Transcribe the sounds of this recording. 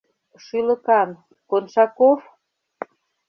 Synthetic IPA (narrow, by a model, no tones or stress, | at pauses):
ʃylə̆kɑn | konʃɑkof